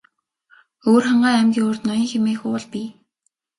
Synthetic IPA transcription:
oːrχaɴɢaːæmɡʲiːŋʊːrt̪nɔjɞ̆ŋxemeːxʊʊɮpiː

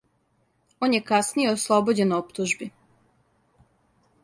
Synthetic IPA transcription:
o̞ːnje̞kasnijeoslˠobod͡ʑe̞nopt̪uʒbi

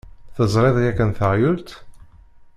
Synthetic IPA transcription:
θəzˤɾˤeðˤjækːənθəʁjʊlt̪

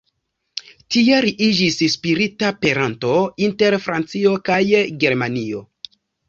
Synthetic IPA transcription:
tiaɾiʔid͡ʒisspiɾitapeɾanto̞inte̞ɾfɾant͡sio̞kajɡe̞ɾmanio̞

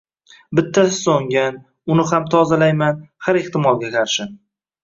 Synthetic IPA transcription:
bɪt̪ʰːasɪ̥soŋɡʲan | ʊnɪhamt̪ʰɒzalajmanhaɾeht̪ɪmɒlˠɡʲakʰaɾʃɪ

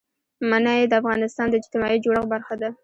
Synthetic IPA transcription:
manɑjed̪əafɣɑnɪst̪ɑnd̪əɪd͡ʒt̪ɪmɑid͡ʒoɽəɣbaɾxad̪a

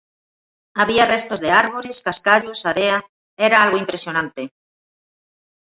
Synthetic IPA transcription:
aβiarest̪ozðeaɾβoɾeskaskaʎosaɾea | eɾaalɣoimpɾesjo̞nãnt̪e

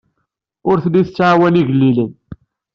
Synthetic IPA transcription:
ʊɾθdiθət͡sːʕawæniʝəlːilən

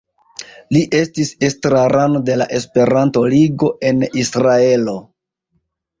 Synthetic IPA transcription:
liʔe̞stisestɾaɾano̞de̞la̰ʔe̞spe̞ɾanto̞liɡo̞ʔe̞nisɾae̞lo̞

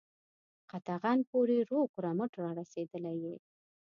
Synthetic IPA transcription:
qɑt̪ɑɣɑnpoɾeɾoɡɾɑməʈɾɑɾased̪əlaje

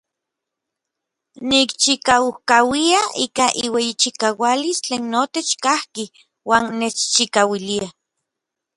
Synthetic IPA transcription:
nikt͡ʃikauhkawiaiːkaʔiwejit͡ʃikawalist͡ɬeːnːot̪et͡ʃkahki | waːnːet͡ʃt͡ʃikawilia

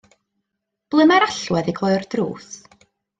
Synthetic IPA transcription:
b̥lˠɨmaɾaɬwɛðiɡlˠɔɨrdrṵːs

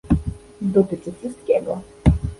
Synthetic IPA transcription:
d̪ɔt̪ɘt͡ʂɘfʂɘst̪̚kʲɛɡɔ

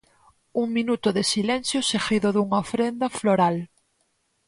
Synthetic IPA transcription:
uŋmĩnut̪ʊðesilɛ̃nθjosexiðoðuŋaofɾend̪ɐfloɾal

